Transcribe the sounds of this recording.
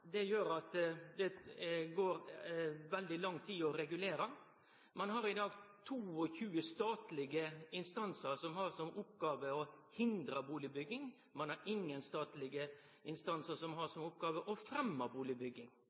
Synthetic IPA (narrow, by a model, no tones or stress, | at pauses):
d̪ɛjøːɾɑt̪d̪ɛɡoːɾʋɛld̪ɪlɑŋt̪ʰiːɔɾɛɡʉleːɾɑ | mɑnhɑɾɪd̪ɑːɡt̪ʰuːɔçʉːəst̪ɑːt̪lɪɡəɪnst̪ɑnsəɾsɔmhɑɾsɔmʔʊp̚ɡɑːʋəɔhɪnd̪ɾəbuːlɪbʏɡɪŋ | mɑnhɑɾɪŋːənst̪ɑːt̪lɪɡə | ɪnst̪ɑnsəsɔmhɑʂɔmʊp̚ɡɑːʋəʔɔfɾɛmːɑbuːlɪbʏɡːɪŋ